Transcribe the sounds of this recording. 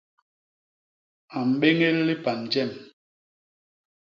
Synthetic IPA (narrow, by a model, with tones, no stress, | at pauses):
a˨m̩˨ɓe˦ŋe˦llːi˦pa˨nd͡ʒɛ˦˨m